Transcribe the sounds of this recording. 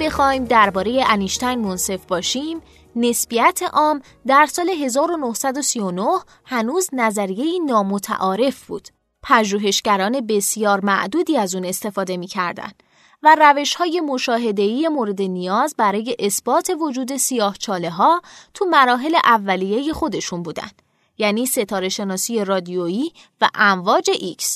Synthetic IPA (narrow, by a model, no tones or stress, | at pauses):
b̥e̞xɒːjmd̪æɾbɒːɾe̞je̞ʔæniʃt̪æjnmonse̞fbɒːʃim | ne̞sb̥ijæt̪ʰeʔɒːm | d̪æɾsɒːle̞ɦe̞zɒːɾo̞no̞hsæd̪o̞sijo̞noh | hænuːznæzæɾije̞iːnɒːmot̪ʰæ̰ʔɒːɾe̞fb̥ṵːd̪̥ | pʰæʒuːɦe̞ʃɟæɾɒːne̞be̞sijɒːɾmæ̰ʔd̪uːd̪iːæzuːne̞st̪e̞fɒːd̪e̞miːcʰæɾd̪æ̰nd̪̥ | væræve̞ʃhɒːje̞mo̞ʃɒːɦe̞d̪e̞iːje̞moɾe̞d̪e̞nijɒːzbæɾɒːje̞ʔesb̥ɒːt̪ʰe̞vo̞d͡ʒuːd̪e̞sijɒːht͡ʃʰɒːle̞ɦɒːt̪ʰumæɾɒːɦe̞le̞ʔævːælije̞je̞xo̞d̪e̞ʃunbuːd̪æ̰nd̪̥ | jæːniːse̞t̪ʰɒːɾe̞ʃe̞nɒːsije̞rɒːd̪ioiː | væ̰ʔæɱvɒːd͡ʒe̞ʔiks